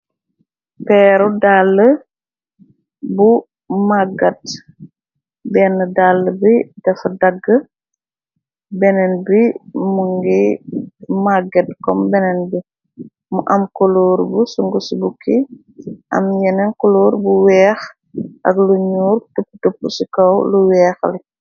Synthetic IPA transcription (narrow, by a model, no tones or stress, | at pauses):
pɛːɾudalːə | bu | maɡɐt | bɛːnːədalːəbidɐfɐdɐɡːə | bɛnɛnbimuŋɡi | maɡɐt̚kɔmbɛnɛnbi | muʔɐmkɔlɔːɾbusuŋɡusubukʰi | ʔɐ̰mjɛnɛnkɔloːɾbuwɛːx | ɐ̰kluɲuːrtupːutupːusikɐwluwɛːxli